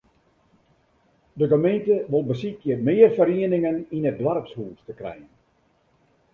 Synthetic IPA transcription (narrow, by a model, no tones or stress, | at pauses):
dəɡəmentəʋolˠbəsikjəmɪːərfəɾiənɪŋəninət̚dʋarpshuːstəkrɛ̰jən